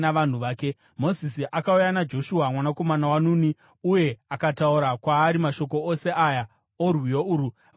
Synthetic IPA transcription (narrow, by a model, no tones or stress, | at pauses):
aʋan̤uʋaːke | mo̞zisiʔakaujanad͡ʒo̞ʃuɦamwanako̞manawanuni | uje̞akatauɾakwaːɾimaʃo̞ko̞ose̞ʔaja | orwijouːɾu